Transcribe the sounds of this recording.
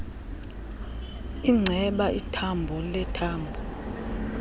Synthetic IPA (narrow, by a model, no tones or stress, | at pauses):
iŋ͡ǀʱɛɓaʔitʰambʱɔlɛtʰaːmbʱɔ